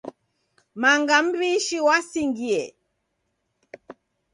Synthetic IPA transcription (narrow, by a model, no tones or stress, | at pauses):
maŋɡam̩βiʃiwasiŋɡiɛ